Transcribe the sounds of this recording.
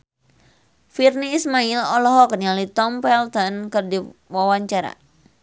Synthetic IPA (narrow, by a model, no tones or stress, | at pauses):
firniːsmailɔlɔɦɔk̚nialit̪ɔmpɛlt̪ɔnkɨrdiwawaɲt͡ʃaɾa̰